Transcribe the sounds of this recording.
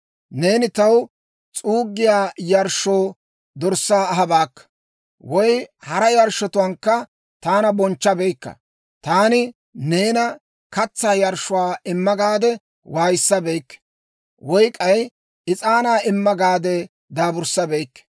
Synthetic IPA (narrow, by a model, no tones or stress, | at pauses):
ne̞ːnɪt̪ɐw | t͡sʼuːɡːɪjaːjɐɾʃo̞ː | d̪ɔɾsːaːɐɦɐbaːkːɐ̥ | wɔjhɐɾɐjɐɾʃɔt̪ʊwɐːŋkːɐ | t̪aːnɐbɔnt͡ʃːɐbɛjkːɐ̰ | t̪aːnɪ | ne̞ːnɐ | kɐt͡sːaːjɐɾʃʊwaːʔɪmːɐɡaːd̪ɛ | waːjɪsːɐbejkː | wɔjkʼɐj | ɪt͡sʼaːnaːɪmːɐɡaːd̪ɛ | d̪aːbʊɾsːɐbejkː